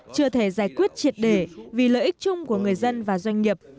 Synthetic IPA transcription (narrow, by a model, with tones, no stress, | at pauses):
t͡ɕɨ˧ət̪ʰe˧˩zaː˧˩jkwi˦˥ət̚t͡ɕi˨˩ət̚ɗe˧˩vi˨˩ləː˧˨ʔi˦˥k̚t͡ɕʊ˧ŋ͡mku˧˩əŋɨ˨˩əjzə˧nvaː˨˩zwa˧ŋ̟ŋi˨˩əp̚